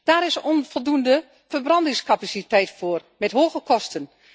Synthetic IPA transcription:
d̥aːɾɪsɔnfɔlˠdundə | fərbrɑndɪŋskapasitɛjtfoːrmɛtɦoːɣəkʰɔstən

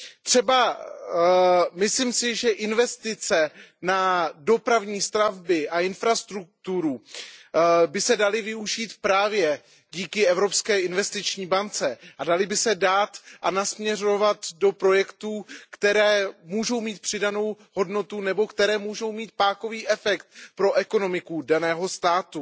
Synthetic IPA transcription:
t̪r̝̥ɛba | mɪslimsɪʒɛʔɪnvɛst̪ɪt͡sɛnado̞pɾavɲiːst̪ɾavbɪʔaɪnfɾast̪ɾuk̚t̪uɾu | bɪsɛdalɪvɪuʒiːt̪pɾaːvjɛ | ɟiːkɪɛvɾo̞pskɛːʔɪnvɛst̪ɪt͡ʃɲiːbant͡sɛʔadalɪbɪsɛdaːt̪ʔanasmɲɛro̞vat̪do̞pɾo̞jɛkt̪uːkt̪ɛɾɛːmuːʒo̞wmiːt̪̚pr̥ɪdano̞w | ɦo̞dno̞t̪unɛbo̞kt̪ɛɾɛːmuːʒo̞wmiːt̪̚paːko̞viːʔɛfɛkt̪̚pɾo̞ʔɛko̞no̞mɪkudanɛːɦo̞st̪aːt̪u

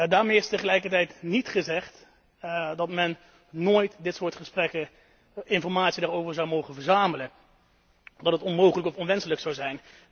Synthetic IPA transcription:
daːɹmejɪstəχəlɛjkəɹtɛjtnitχəzɛχt | dɑtmɛnː | oːjtdɪtsʊːɹtχəsprɛkə | ɪnfɔɹmaːtsidaːɹowvəɹzɑwmowχənvəɹzaːmələ | dɑtətɔnmowχələkɔfɔnʋɛnsələksɑwzɛjn

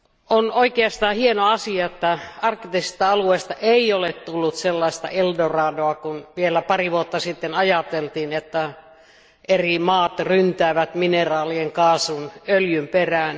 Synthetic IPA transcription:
onoikeɑst̪ɑːhienoɑsiɑet̪ːæɑrkːit̪esist̪æɑlueːst̪ɑʔeiolett̪ulːut̪selːɑist̪ɑ̰eldorɑːdoɑkunʋielæpɑriʋuot̪ːɑsit̪ːenɑjɑt̪elt̪iːnet̪ːæ | erimɑːt̪rynt̪æːʋæt̪minerɑːlieŋkɑːsunøljymperæːn

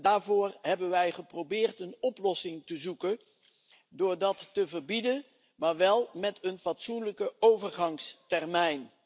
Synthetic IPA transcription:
daːɹvʊːɹɦɛbənʋɛjχəprowbɪːɹtənɔplɔsɪŋtəzukən | dʊːɹdɑtːəvəɹbidən | maːɹʋɛlˠmɛtənfɑtsunləkəowvəɹχɑŋstɛrmɛjn

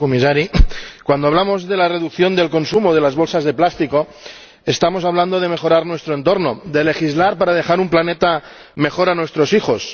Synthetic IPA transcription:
komisaɾikwand̪oaβlamo̞zðelare̞ðukθjo̞nd̪e̞lko̞nsumoðe̞lazβo̞lsazðe̞plast̪iko̞ | est̪amo̞saβland̪oð̞eme̞xo̞ɾaɾnwe̞st̪ɾoe̞nt̪oɾnod̪e̞le̞xizlaɾpaɾað̞e̞xaɾumplanet̪a | me̞xo̞ɾanwe̞st̪ɾo̞sixo̞s

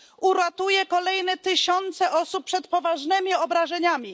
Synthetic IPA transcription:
uɾat̪ujɛkɔlɛjnɛt̪ɘɕɔnt̪sɛʔɔsup̚pːʂɛt̪pɔvaʐnɛmʲiɔbɾaʐɛɲamʲi

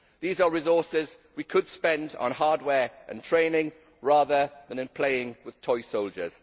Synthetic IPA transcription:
ðiːzəɹɪzɔˑsɪz | wikʰəd̥spɛ̃ndn̩ɦɑːdwɛːɹʔə̰̃ntʰɹ̥ẽɪ̃nɪ̃ŋ | ɹɑːðəðə̃nɪ̃npʰl̥eɪɪ̃ŋwɪð̥tʰɔɪsoʊlˠd͡ʒə̰z̥

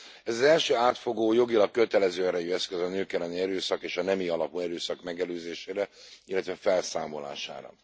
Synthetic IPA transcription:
ɛzɒzɛlʃøːaːt̪fo̞ɡoːjo̞ɡilɒkːø̞t̪ɛlɛzøːɛɾɛjyɛskøzɒnøːkɛlːɛniɛɾøːsɒkeːʃɒnɛmiɒlɒpuɛɾøːsɒkmɛɡɛløːzeːʃeːɾɛilːɛt̪ʋɛfɛlsaːmo̞la̰ːʃa̰ːɾɒ̰

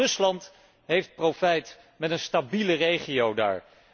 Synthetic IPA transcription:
ɵslɑnt | ɦejft̚profɛjt | mɛtənstabilərejχijowda̰ːɹ

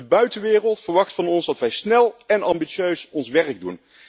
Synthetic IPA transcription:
əbœɥtəʋɪːrəlˠtfəɹʋɑxtfɑnɔnzdɑtʋɛjsnɛlˠɛnɑmbisøɥsɔnsʋɛrɡ̚dun

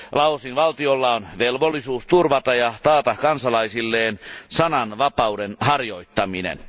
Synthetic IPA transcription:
lɑosinʋɑlt̪iolːɑonʋelʋolːisuːst̪urʋɑt̪ɑjɑt̪ɑːt̪ɑkɑnsɑlɑisilːeːnsɑnɑnʋɑpɑudenhɑrjo̞it̪ːɑminḛn

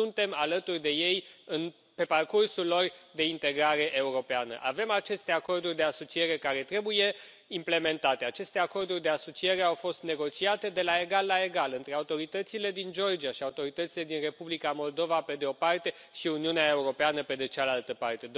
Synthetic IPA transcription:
unt̪e̞malət̪urʲd̪e̞je̞jɨn | pe̞parkursulːo̞rd̪e̞int̪e̞ɡɾaɾe̞ʔeuɾo̞peanə̰ʔave̞mat͡ʃe̞st̪e̞ako̞rd̪urʲd̪e̞aso̞t͡ʃie̞ɾe̞kaɾe̞t̪ɾe̞buje̞ | imple̞me̞nt̪at̪e̞at͡ʃe̞st̪e̞ako̞rd̪urʲd̪e̞aso̞t͡ʃie̞ɾe̞awfo̞st̪ne̞ɡo̞t͡ʃiat̪e̞d̪e̞lae̞ɡalːaeɡalɨnt̪ɾe̞aut̪o̞ɾit̪ət̪sile̞d̪ind͡ʒo̞rd͡ʒiaʃiaut̪o̞ɾit̪ət̪sile̞d̪inre̞publikamo̞ld̪o̞vape̞d̪eo̞part̪e̞ | ʃiuniuneaeuɾo̞peanəpe̞d̪et͡ʃalalt̪əpart̪e̞d̪

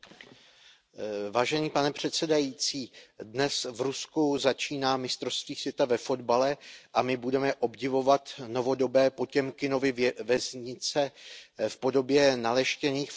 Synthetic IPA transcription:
vaːʒɛɲiːpanɛpr̝̥ɛt̪sɛdajiːt͡siːdnɛsvɾuskuzat͡ʃiːnaːmɪst̪ɾost̪viːsvjɛt̪avɛfo̞d̪balɛʔamɪbudɛmɛʔo̞bɟɪvo̞vat̪no̞vo̞do̞bɛːpo̞cɛmkɪno̞vɪvɛzɲɪt͡sɛfpo̞do̞bjɛnalɛʃcɛniːxf

